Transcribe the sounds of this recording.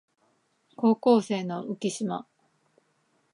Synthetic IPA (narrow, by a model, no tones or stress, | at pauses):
ko̞ːko̞ːse̞ːno̞ɯkʲiɕima̰